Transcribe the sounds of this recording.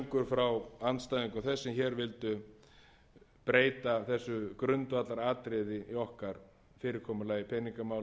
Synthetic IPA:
ŋkʏɾ̥fɾawanst̪ajðiŋkʏmθɛsːɪmçɛːɾvɪlt̪ʏ | pɾeːjt̪aθɛsːʏkɾʏnt̪vat̪laɾaːt̪ɾɪðɪiɔhkaɾ̥ | fɪːɾɪɾ̥kʰɔːmʏlaːjɪpʰɛniŋkamaːw

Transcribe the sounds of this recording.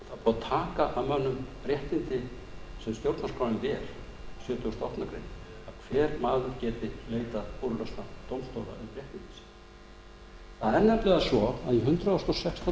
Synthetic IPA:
θaðpɔːt̪ʰaːkaʔamœnːʏmpɾjɛht̪nɪnt̪ɪ | sɛmst̪jowɾt̪naskɔlɪnvɛɾ̥ | sjœːt̪ʏʏst̪ɔht̪nakɾḛjn | aðkʰvɛːɾmaːðʏɾcɛːt̪ɪleːjt̪aðpuɾlœsnat̪owmst̪owɾa̰ipɾjɛht̪nɪnt̪ɪ̥sɪ̥ | θaðɛɾnɛplɛɣasɔaðiɦʏnt̪ɾaɔsk̪ɔsɛkst̪ɔ

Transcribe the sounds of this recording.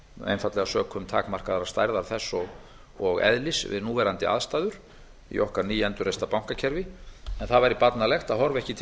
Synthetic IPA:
ḛjnfat̪lɛɣasœːkʰʏmt̪ʰa̰ːkmar̥kaðaɾḁst̪a̰jɾðaɾθɛsːɔɣ | ɔɣɛ̰ðlɪsvɪ̰ðnuːvɛɾant̪ɪa̰ðst̪aːjðʏɾ̥ | ḭʔɔhkaɾniːjɛnt̪ʏɾrejst̪apawŋ̥kacʰɛɾvɪɛnθaðvaɾipat̪nalɛxt̪aðɦɔɾvɛhcɪt̪ʰ

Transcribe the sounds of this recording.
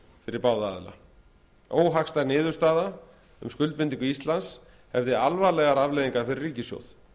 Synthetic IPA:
fɪɾɪɾpaːwðaa̰ːðla̰ | oːwɦakst̪anɪːðʏɾst̪aːða | ʏ̰mskʏlt̪̚pɪnt̪iŋkʏist̪lans | hɛvðɪalvalɛɣaɾavleːjðiŋkaɾ̥fɪɾɪrriːcɪsjo̰wð

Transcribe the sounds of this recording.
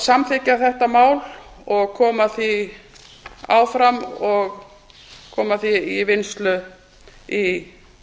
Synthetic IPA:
samθɪcaθɛht̪amaːwlɔɣkʰɔːmaθi | a̰ːwfɾamɔɣ | kʰɔːmaθiivɪnst̪lʏ | i

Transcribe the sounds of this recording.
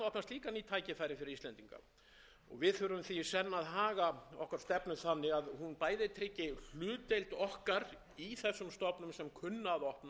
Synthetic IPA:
ɔhpnast̪liːkanit̪ʰaːjcɪfaːjɾɪfɪɾɪɾiːst̪lɛnt̪iŋka̰ | ɔ̰ɣvɪðθʏɾʏmθisɛnːaðɦaːɣaɔ̰hkaɾ̥st̪ɛpnʏθanːɪɣaðhunpaːjðɪt̪ʰɾɪcːɪl̥ʏːt̪ejlt̪ɔhkaɾ | iθɛsːʏmst̪ɔpnʏmsɛmkʰʏnːaðɔhpn

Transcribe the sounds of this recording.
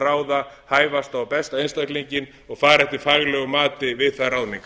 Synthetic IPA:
raːwða | haːjvast̪awpɛst̪aejnst̪akliɲcɪn | ɔɣfaːɾɛht̪ɪɾ̥faɣlœːɣʏmaːt̪ɪvɪðθarawðniŋk

